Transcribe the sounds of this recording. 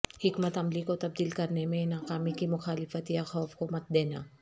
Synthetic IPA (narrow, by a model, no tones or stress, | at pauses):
hɪkmɐt̪hɐmlikot̪ɐb̚d̪iːlkɐɾnemẽnaːkaːmikimʊxaːlɪfɐt̪iaxaːfkomɐt̪̚d̪ɛna̰